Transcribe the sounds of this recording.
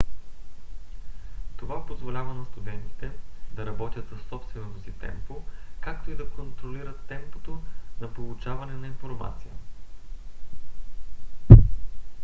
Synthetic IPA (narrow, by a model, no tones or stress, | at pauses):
t̪ovapozvolʲavɐnɐst̪ud̪ɛnt̪i̥t̪ɛd̪ɐɾɐbɔt̪ʲjət̪sɐsɔpst̪vɛnot̪osit̪ɛ̰mpokakt̪oid̪ɐkont̪ɾoliɾət̪ːɛmpo̥t̪ozɐpolˠut͡ʃavɐnɛnɐinfoɾma̰t̪sijə̰